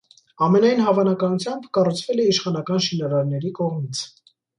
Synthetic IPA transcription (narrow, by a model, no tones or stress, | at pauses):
ɑmɛnɑjnɦɑvɑnɑkɑnut͡sʰjɑmbkɑrut͡sʰvɛlɛiʃχɑnɑkɑnʃinɑɾɑɾnɛɾikɔʁmit͡sʰ